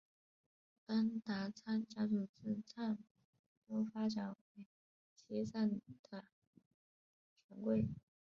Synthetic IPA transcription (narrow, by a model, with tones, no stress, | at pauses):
ta˥nt̪a˧˥t͡sʰa˥˩nt͡ɕja˥ʈ͡ʂu˨˩t͡sɹ̩˥˧t͡sʰa˥˩n | t̪o˥ʊfa˥ʈ͡ʂa˨˥nwe˧˩ɪ | t͡ɕʰi˧˥t͡sʰa˥˩nd̪̥ə˩ | t͡ɕʰɥɛ˧˥nkwe˥˩ɪ